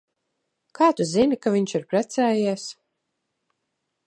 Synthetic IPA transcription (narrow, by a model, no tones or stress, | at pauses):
kʰaːt̪uzinikaviɲʲt͡ʃiɾpɾæt̪sɛːjiɛs